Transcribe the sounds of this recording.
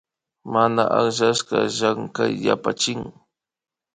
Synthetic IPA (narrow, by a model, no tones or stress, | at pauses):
manaʔaχʒaskɑʒaŋkajːapat͡ʃɪŋ